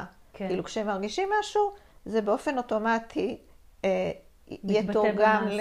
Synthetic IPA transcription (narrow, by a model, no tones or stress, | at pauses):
kkilukʃeemaʁɡiʃimːaʃuzebeo̞fe̞no̞to̞matʰi | jetoɡaml